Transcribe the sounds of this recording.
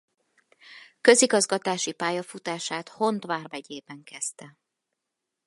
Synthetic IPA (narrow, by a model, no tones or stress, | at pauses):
kø̞ziɡɒzɡɒt̪aːʃipaːjɒfut̪aːʃaːt̪ho̞nt̪ʋaːrvɛɟeːbɛŋkɛst̪ɛ